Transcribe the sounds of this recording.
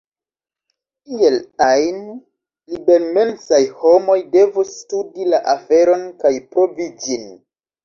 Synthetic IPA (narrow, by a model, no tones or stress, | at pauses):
kielajn | libenme̞nsajho̞mo̞jde̞vustudilaʔafe̞ɾo̞nkajpɾo̞vid͡ʒin